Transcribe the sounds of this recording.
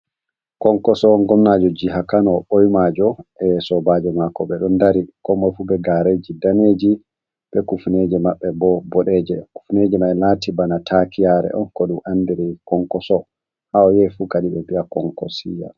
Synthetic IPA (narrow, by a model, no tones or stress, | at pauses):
kɔŋkɔsɔŋɡɔmnad͡ʒɔd͡ʒiɦakanɔɓojmad͡ʒɔʔɛsɔbad͡ʒɛmakɔɓɛɗɔndaɾikɔmɔfubɛɡaɾed͡ʒidaned͡ʒi | ɓɛkufned͡ʒɛmaɓːɛbɔbɔɗɛd͡ʒɛku̥fned͡ʒɛmaɛlaːtibanatʰakijaɾɛ̰ʔɔ̰nkɔɗumʔandiɾikɔŋkɔsɔ | hawɔjɛfukaɗiɓɛbiakɔŋkɔsija̰